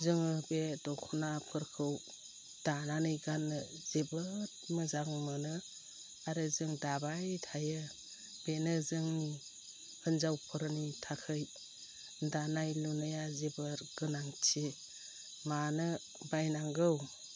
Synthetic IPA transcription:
zɯŋɯbedɔŋkʰɔnapʰɯɾkʰɯw | d̥ananɯjɡanːɯzebɯɾtmɯzaŋmɯnɯ | aɾɯzɯŋdabajtʰajɯ | b̥enɯzɯŋni | hɯnzawpʰɯɾɯnitʰakʰɯj | danajlunajazebɯɾɡ̥ɯnaŋtʰe | manɯ | bajnaŋɡɯw

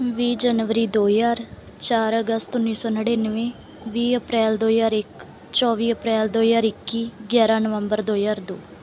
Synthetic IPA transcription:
ʋiːd͡ʒənʋəɾiːd̪oːjaːɾ | t͡ʃaːɾəɡəst̪ʊnːiːsɔːnəɽeːnəʋẽː | ʋiːəpɾɛːld̪oːjaːɾɪk | t͡ʃɔːʋiːəpɾɛːld̪oːjaːɾɪkːiːɡʲjaːɾãːnəʋəmbəɾd̪oːjaːɾd̪oː

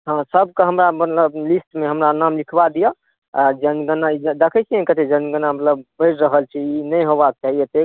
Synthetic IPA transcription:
ɦãsəbkeɦəmɾamət̪ləblisʈmeɦəmɾanamlikʰbad̪ijə | ad͡ʒənɡənaid͡ʒd̪ekʰɛt͡ʃʰiɛ̃kət̪ed͡ʒənɡənamət̪ləbbəd͡ʒɾəɦəlt͡ʃʰiinəjɦobak̚t͡ʃaɦijet̪ek

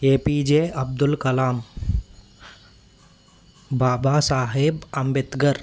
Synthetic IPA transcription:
eːpiːd͡ʒeːɐb̚d̪ʊlkɐlaːm | baːbaːsaːɦebɐmbɪt̪ɡəɾ

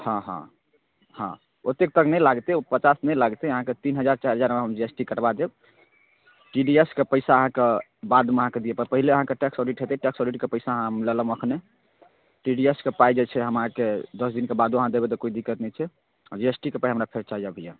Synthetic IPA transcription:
hãɦã̰ | hã̰ | ot̪ek̚t̪əknɛjlaɡt̪eopət͡ʃasnɛjlaɡt̪ɛəɦãket̪inɦəd͡ʒaɾt͡ʃaɾɦəd͡ʒaɾmeɦəmd͡ʒiesʈikəɾbad̪eb | ʈiɖieskepəɪsaəɦãke | bad̪uməɦãked̪ijepəɾpəɦileəɦãkeʈeksɔɖiʈɦet̪ɛʈeksɔɖiʈkepəɪsaəɦãɦmleləməkʰne | ʈiɖieskepajd͡ʒɛt͡ʃʰɛɦəmãked̪əsd̪inkebad̪uəɦãd̪ebet̪ɔkoid̪ikːət̪nɛjt͡ʃʰɛ | d͡ʒiesʈikepaiɦəmɾapʰeɾt͡ʃaid͡ʒabʱəja

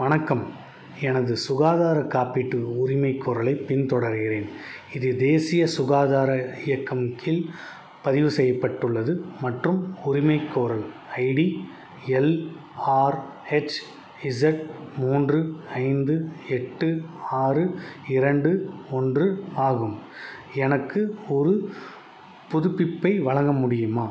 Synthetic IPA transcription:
mɐnɐkːɐm | ɛnɐðɯsʊɣaːðaːɾɐkːaːpɪʈːɯʊɾɪmɐɪkːoːɾɐlɐɪpɪnt̪ɔɽɐɾɣɪreːnɪðɯd̪eːsɪjɐsʊɣaːðaːɾɐɪjɐkːɐmkɪl | pɐðɪʋɯsɛjːɐpːɐʈːɯɭːɐðɯmɐʈrɯmʊɾɪmɐɪkːoːɾɐlɐɪɽi | ɛl | aːɾ | ɛt͡ʃː | ɪsɐʈmuːndrɯɐɪnd̪ɯɛʈːɯaːrɯɪɾɐɳɖɯɔndrɯaːɣɯmɛnɐkːɯɔɾɯ | pʊðʊpːɪpːɐɪʋɐɭɐŋɡɐmʊɽɪjɯmaː

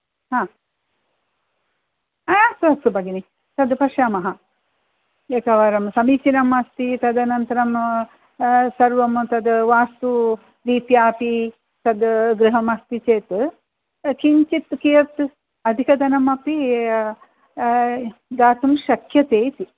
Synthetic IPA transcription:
hãː | ɐjaːsɐstubɐɡini | t̪ɐd̪pɐʂjaːmɐɦɐ | ek̪ɐʋɐɾɐmsɐmiːt͡ʃinɐmɐst̪it̪ɐd̪ɐnɐnt̪ɐɾɐm | sɐɾʋɐmt̪ɐd̪ʋaːst̪u | d̪iːpjaːpi | t̪ɐd̪ɡɾɨɦɐmɐst̪it͡ʃeːt̪ | kiɲt͡ʃit̪kijɐɾt̪ | ɐd̪ʱikɐd̪ɐnɐmɐpi | d̪aːt̪umʃɐkʰjɐt̪eːt̪i

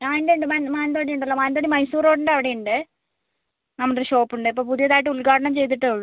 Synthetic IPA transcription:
ɲaːndeuɳɖɨmɐnmaːnd̪oːɽijuɳɖɐlːomaːnd̪oːɽimɐjsuːɾo̞ːɽuɳɖɐʋiɽejuɳɖɨ | nɐmːɐkeɕo̞ːpːuɳɖɨipːoːpuðijɐðaːjiʈ̬ːɨuɭkaːɽɐɳɐmt͡ɕe̞jt̪̬iʈːɨɐɭːu

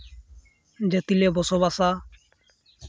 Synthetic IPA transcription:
d͡ʒet̪ilebɔsoβasa

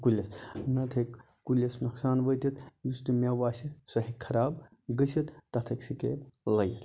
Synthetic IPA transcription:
kulʲːesnɐt̪ʰek | kulʲːesnɐksaːnʋət̪it̪just̪umaʋaːsisɐɦikkʰːɐɾaːb | ɡəsit̪t̪ɐt̪ʰɐksikḛblɐjet̪

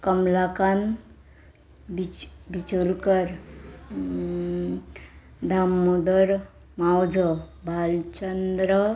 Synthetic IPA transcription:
kəmlakan | bibit͡ɕulkəɾ | d̪ʱamːud̪əɾ | mawd͡zəbʱalt͡ʃənd̪ɾə

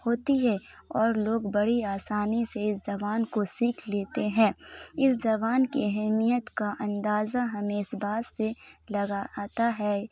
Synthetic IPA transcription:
hoːt̪iɦɛɔːɾloːɡbɐɽiaːsaːniseɪszɐbaːnkosiːkʰleːt̪eɦɛ̃ːɪszɐbaːnkiɛɦɛmijət̪kaʔɐ̃nd̪aːzaɦɐmeːsbaːsːelɐɡat̪aɦɛː

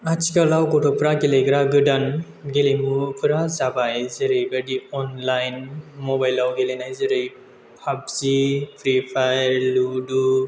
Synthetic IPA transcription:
at͡ʃikalawkɔtʰɔpʰɾaɡelejɡɾaɡɯdan | ɡelimupʰɯɾazabajzɯɾɯjbadiɔnlajnmɔbajlawɡelenajzɯɾɯj | hʰab̚zipʰɾipʰajɾludu

